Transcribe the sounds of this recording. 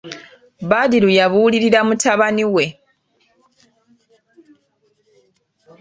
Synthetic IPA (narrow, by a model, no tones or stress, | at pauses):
βadiɾujaβuːliɾiɾamutʰaβaniwe̞